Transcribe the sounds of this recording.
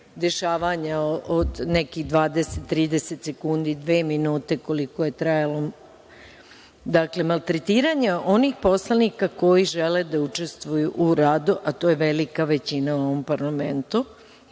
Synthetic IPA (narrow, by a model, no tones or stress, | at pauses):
d̪e̞ʃaːʋaɲaood̪neɛkiɣd̪ʋaːd̪eset̪ːɾiːd̪eset̪se̞kund̪id̪ʋeːminuːt̪e̞ko̞liko̞je̞t̪ɾajalo | d̪akle̞malˠt̪ɾet̪iːɾaɲeo̞nixpo̞slˠanikako̞jiʒeled̪aut͡ʃe̞st̪ʋujuʔuɾaːd̪uʔat̪o̞ːjeʋelikaʋet͡ɕinauo̞ʋo̞mpaɾlament̪u